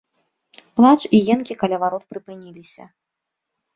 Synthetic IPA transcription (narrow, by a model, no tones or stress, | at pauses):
plˠat͡ʂijɛnkʲikalʲavaɾɔt̪̚pɾɨpɨnʲilʲisʲɐ̰